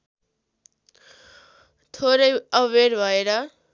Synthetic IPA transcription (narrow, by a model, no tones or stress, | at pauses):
t̪ʰoɾʌjʌweɾbʱʌeɾʌ